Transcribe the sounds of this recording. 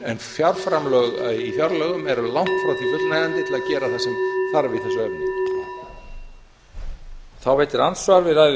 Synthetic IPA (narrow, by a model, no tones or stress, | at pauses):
ɛnfjawɾ̥fɾamlœɣaðifjawɾlœːɣʏmɛɾlawŋ̥t̪fɾawt̪ʰifʏlnajðant̪ɪt̪ɪlaðcɛːɾaθasɛmθaɾvɪθɛsʏɛɾn | θawveːjt̪ɪɾansvaɾvɪða